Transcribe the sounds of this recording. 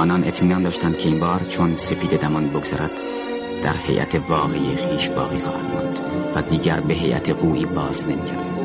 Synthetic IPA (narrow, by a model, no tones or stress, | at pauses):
ɒːnɒːne̞t̪ʰmiːnɒːnd̪ɒːʃt̪ænd̪̥kʲʰe̞iːnbɒːɾt͡ʃʰonse̞pʰiːd̪e̞d̪æmɒːnboɡoz̥æɾʔæd̪̥ | d̪̥æ̰ɾhe̞̰jʔæ̰t̪ʰe̞vɒːɣejexiːʃbɒ̰ːɣiːxɒːhæ̰d̪mɑ̰nd̪̥ | væd̪iːɟæɾbe̞ɦe̞jʔæ̰t̪ʰeɣuːʔiːbɒːzne̞miːkʰæɾd̪